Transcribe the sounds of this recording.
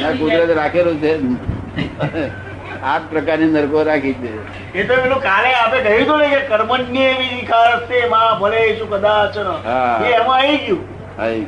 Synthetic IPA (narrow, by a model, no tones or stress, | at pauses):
nakot̪ɾat̪ɾakʰelot͡ʃʰe | əne | at̪̚pɾəkaɾnenəɾkoɾakʰit͡ʃʰe | et̪omenũkaleapekəɦit̪onekekəɾmənːieʋiikʰaɾəsemãbʱəleʃũkəd̪at͡ʃʰenəɦaɦeɛmãeɡjũ | ɦai